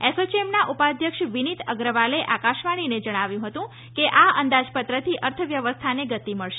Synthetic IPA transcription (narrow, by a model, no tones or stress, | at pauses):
esot͡ʃemnaʔupad̪ʱjəkʂʋinit̪əɡɾəʋaleʔakaʃʋaɽ̃ined͡ʒəɽ̃aʋjũɦət̪ũ | keʔaənd̪ad͡ʒpət̪ɾət̪ʰiʔəɾt̪ʰəʋjəʋəst̪ʰaneɡət̪iməɭʃe